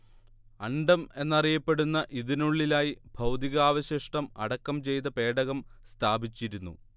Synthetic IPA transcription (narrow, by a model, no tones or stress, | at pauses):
ɐɳɖɐme̞nːɐrijɐpːe̞ɽunːɐʔiðinuɭːilaːjib̥ʱɐwd̪iɣɐaːʋɐɕɐʂʈɐmɐ̰ɽɐkːɐmt͡ɕe̞jt̪̬ɐpe̞ːɖɐɣɐmst̪ʰaːbʱit͡ɕːiɾunːṵ